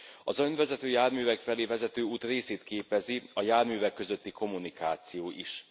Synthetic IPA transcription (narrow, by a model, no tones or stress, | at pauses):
ɒzønvɛzɛt̪øːjaːrmyːvɛkfɛleːvɛzɛt̪øːuːt̪reːseːt̪keːpɛziɒjaːrmyːvɛkːø̞zø̞t̪ːiko̞munikaːt̪sijoːʔiʃ